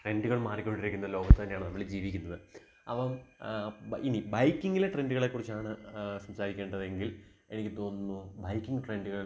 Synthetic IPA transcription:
ʈre̞nduɣɐɭmaːrikʲːo̞ɳɖiɾikʲːunːɐðɨlo̞ːɡɐt̪ːɨt̪ɐnːeaːɳɨnɐmːɐɭid͡ʑiːʋikʲːunːɐðɨ | ɐpːɐm | binibɐjkːiŋɡileʈrenduɣɐɭe̞kːurit͡ɕːaːɳɨsɐmsaːɾikʲːe̞ːɳɖɐðe̞ŋɡil | e̞nikʲːɨt̪o̞ːnːubɐjkʲːiŋɡɨʈre̞nduɣɐɭ

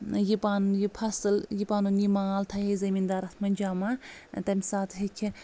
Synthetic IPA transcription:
jipaːnujipʰɐsɨljipaːnunimaːlt̪ʰɐɦezɐmiːnd̪aːɾɐt̪ʰmɐnʲd͡ʒaːmat̪ɐmisaːt̪ʰɦekʰʲi

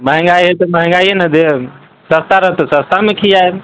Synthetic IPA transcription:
məɦɛ̃ŋɡajɦet̪ɔməɦɛ̃ŋɡaienəd̪e | səst̪aɾəɦt̪ɔsəst̪amekʰijae

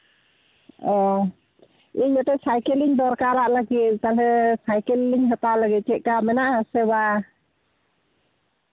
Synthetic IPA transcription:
ɔ | iɲɔtɛsajkɛliɲd̪ɔɾkaɾaʔlaɡit̪̚kalɛsajkɛlːiɲɦɔt̪alaɡit̪̚t͡ʃɛʔ̚kamɛnaʔhasɛba

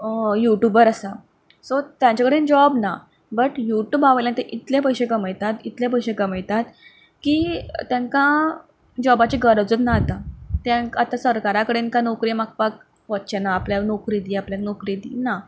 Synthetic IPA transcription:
juʈjubəɾəsa | sot̪jãɲt͡ɕakəɽend͡ʑɔbna | bəʈjuʈjuːbaʋəjljãnt̪eʔit̪ljap̬əjseɡəməjt̪at̪it̪ljap̬əjɕeɡəməjt̪at̪ | kiːt̪jãŋkã | d͡ʑɔbat͡ɕiɡəɾəd͡zət̪nat̪at̪jãŋkat̪asəɾkaɾakəɽenkãnokɾimak̚pak̚ | ʋət̪̚t͡ɕanaːpljanokɾid̪iːapljaknokɾid̪ḭːna

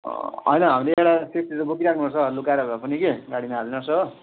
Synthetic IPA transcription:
ʌ̰jnʌɦamileeɽasest̪id͡zʌbokiɾakʰnubʱʌt͡sʰʌlukaɾʌapʌnikeɡaɽimaalenʌsʰʌ

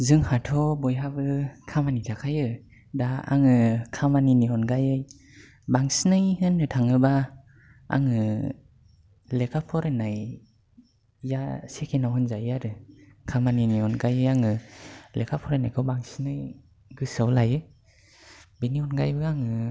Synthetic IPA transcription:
zɯŋhatʰɔbɔjɦabɯkʰamanitʰakʰajɯ | daa̰ŋɯkʰamaniniɔnɡajɯj | baŋsinɯjhɯnːɯtʰaŋɯba | a̰ŋɯ | lekʰapʰɔɾanaj | asekʰenawhɯnzajaɾɯ | kʰamaniniɔnɡajɯjaŋɯlekʰapʰɔɾanajkʰɔwbaŋsinɯj | ɡɯsawlajɯ | biniɔnɡajbɯaŋɯ

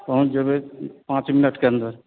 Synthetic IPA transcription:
pəɦũd͡ʒəbepãːt͡ʃminəʈkeɐ̃nd̪əɾ

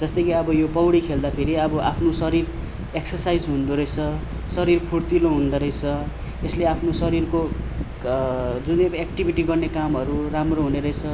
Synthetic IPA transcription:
d͡zʌst̪ʌjkiʌbʌjopʌwɽikʰeld̪apʰeɾiʌbʌʔapʰnosʌɾir | eksʌsajd͡zɦund̪uɾʌjt͡sʰʌ | sʌɾirpʰurt̪iloɦund̪ʌɾʌjt͡sʰʌ | esleapʰnosʌɾirko | d͡zunekʈibʱiʈiɡʌrnekamɦʌɾuramroɦuneɾʌjt͡sʰʌ

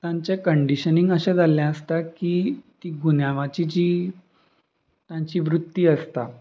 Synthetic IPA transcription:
t̪jãɲt͡ɕekəɳɖiɕəniŋɡəɕɛ̃d͡zaljãəst̪akiːt̪iːɡunjaʋat͡ɕid͡ʑiː | t̪jãɲt͡ɕiːʋɾut̪ːiːəst̪a

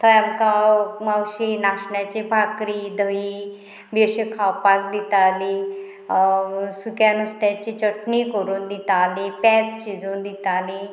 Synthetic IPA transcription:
t̪ʰəjamkamawɕinaɕɳjat͡ɕebʱakɾid̪əi | beɕekʰawpakd̪it̪ali | sukjanust̪jat͡ɕit͡ɕəʈɳikəɾuːnd̪it̪alipɛst͡ɕid͡zund̪it̪ali

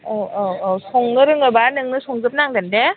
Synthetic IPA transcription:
ɯɔsʰoŋnɯɾɯŋɯbanɯŋnɯsʰoŋzɯp̚naŋdande

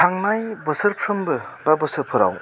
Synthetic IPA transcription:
tʰaŋnajbɯsɯɾpʰɾɯmbɯbabɯsɯɾpʰɯɾa̰w

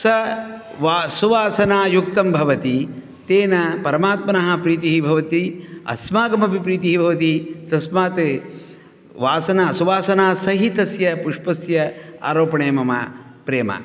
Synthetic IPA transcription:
sɐ | ʋasuʋaːsɐnaːjuk̚t̪ɐmbʱɐʋɐt̪i | t̪eːnɐpɐɾɐmaːt̪mɐnɐɦɐ̆pɾiːt̪iɦibʱɐʋɐt̪iɐ̰smaːɡɐmɐbʱipɾiːt̪iɦibʱɐʋɐt̪it̪ɐsmaːt̪ | ʋaːsɐnaːsuʋaːsɐnaːsɐɦit̪ɐsjɐpuʂpɐsjɐa̰ːɾoːpɐɳeːmɐmɐ̰pɾeːmɐ̰

